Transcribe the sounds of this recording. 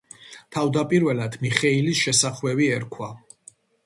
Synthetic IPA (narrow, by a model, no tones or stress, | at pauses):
t̪ʰavd̪apʼiɾvɛlad̪miχɛilisʃɛsaχwɛbiɛɾkʰwa